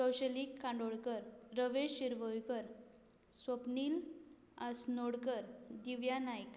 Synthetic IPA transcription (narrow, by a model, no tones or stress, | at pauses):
kəwɕəlikːãɳɖoɽkəɾːəʋeɕiɾʋəjkəɾ | sʋəpniːl | asnoɽkəɾd̪iʋjanajk